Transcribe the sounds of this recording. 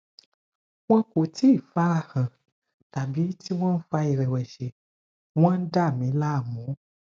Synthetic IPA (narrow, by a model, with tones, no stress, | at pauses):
w̃ɔ̃˦ko˨ti˦˨fa˦˨hã˨ | ta˨bi˨˦ti˦w̃ɔ̃˦n̩˦fa˧i˨ɾɛ˨wɛ˨ʃe˨ | w̃ɔ̃˦n̩˦da˦˨mĩ˨˦la˦˨mũ˨˦